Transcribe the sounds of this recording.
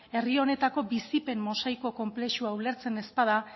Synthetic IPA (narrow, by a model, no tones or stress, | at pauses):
e̞rio̞ne̞t̪ako̞bisipe̞mmo̞sajko̞ko̞mple̞ʃuaule̞ɾt͡se̞ne̞spaða